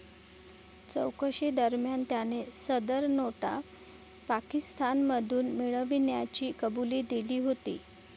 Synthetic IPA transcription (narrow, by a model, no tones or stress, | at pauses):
t͡sə̰wkəɕid̪əɾmjant̪janesəd̪əɾnoʈa̰ | pakist̪anməd̪ʱuːnmiɭəʋinjat͡ɕiːkəbuliːd̪iliːɦot̪ḭː